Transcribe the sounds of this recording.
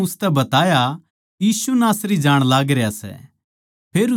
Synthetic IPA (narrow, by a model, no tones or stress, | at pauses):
ʊst̪ɛbɐt̪aːja | jiːsunaːsɾid͡ʒaːɽ̃laːɡɾejasɛ̰ | pʰeːɾ